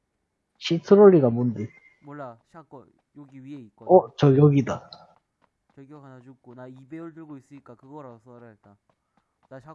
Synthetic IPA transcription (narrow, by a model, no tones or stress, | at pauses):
ɕʰik̚sʰɯɾoʎːiɡamonde | maɕak͈ | joɡiiʌt͡ɕʌjʌɡida | t͡ɕɡaad͡ʑukonaibeʌɭdɯɭɡois͈ɯɲik͈akɯɡʌɾasʰɾt͈a